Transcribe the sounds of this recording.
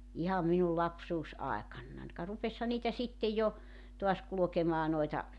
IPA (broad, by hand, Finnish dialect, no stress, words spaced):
ihɑm minul lɑpsuːsɑekɑnːɑn kɑ rupeshɑ niːtæ sitːe jɑ toɑs kulŏkemɑː noitɑ